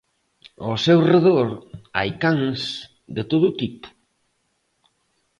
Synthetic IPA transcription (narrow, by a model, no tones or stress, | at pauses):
osewreðoɾa̰jkaŋs | d̪et̪oðʊt̪ipʊ̥